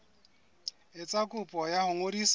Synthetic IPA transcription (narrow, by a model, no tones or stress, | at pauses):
ɪt͡sʼakʼʊpʼɔjahʊŋodis